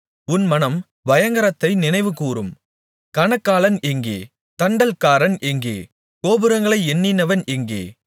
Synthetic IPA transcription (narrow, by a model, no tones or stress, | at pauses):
ʊnmɐnɐm | ʋɐjɐŋɡɐɾɐt̪ːɐɪnɪnɐɪʋɯkuːɾɯm | kɐnɐkːaːlɐnɛŋɡḛː | t̪ɐɳɖɐlkaːɾɐnʔɛŋɡḛː | koːbɯɾɐŋɡɐɭɐɪɛnːɪnɐʋɐnɛŋɡḛː